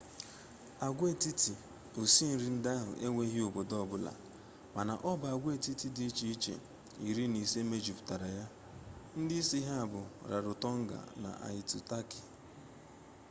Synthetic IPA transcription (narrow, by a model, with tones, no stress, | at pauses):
a˨ɡʷe˦˨ti˦ti˨ | o˨si˦n̩˨ɾi˨˦n̩˦da˦ɦʊ̰˨ʔe˦ŋʷe˦ɦɪ˦o˨bo˨dɔ˦˨bʊ˦la̰˨ | ma˨na˨ʔɔ˦ba˨a˨ɡʷe˨ti˦ti˦di˦i˦t͡ʃi˨i˦t͡ʃḛ˨ | i˨ɾi˦ni˨se˦me˦d͡ʒi˨pʊ˨ta˨ɾa˨ja˦ | n̩˦dɪ˦i˦si˦ɦa˦a˨bʊ˨ɾa̰˨ɾʊ˨tɔ˦ŋ̩˦ɡa̰˨na̰˨ʔa̰˨ɪ˨tu˨ta˦ki̥˨